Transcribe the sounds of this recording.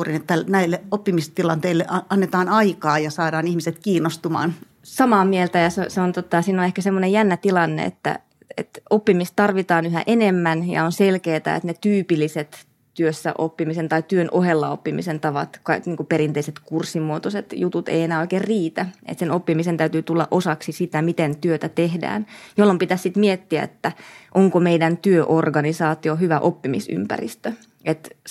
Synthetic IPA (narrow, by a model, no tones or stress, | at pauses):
rinet̪ːænæilːeʔopːimist̪ilɑnt̪eilːeʔɑɑnːet̪ɑːnɑikɑːjɑsɑːdɑːnihmiset̪kiːnːost̪umɑ̰ːn | sɑmɑːmielt̪æjɑseseont̪ot̪ːɑsiːnonehkæsemːonejænːæt̪ilɑnːḛḛt̪ːæ̰ | ḛt̪opːimist̪t̪ɑrʋit̪ɑːnyɦæ̰ʔenemːænjɑ̰onselkeːt̪æ̰ḛt̪net̪yːpilːiset̪ | t̪yøsːæ̰ʔopːimisent̪ɑit̪yønʔohelːɑopːimḭsent̪ɑʋɑt̪kɑikniːŋkupeɾint̪eiset̪kursːimːuot̪oset̪jut̪ut̪ḛienæːoikeːrriːt̪æḛt̪senopːimisent̪æyt̪yːt̪ulːɑ̰ʔosɑksisit̪æmit̪ent̪yøt̪æt̪ehdæ̰ːnjolːompit̪æssit̪miet̪ːiæ̰ḛt̪ːæʔoŋkomeidænt̪yøʔorɡɑnisɑːt̪ioɦyʋæʔopːimḭsy̰mpæ̰rḭst̪ø | et̪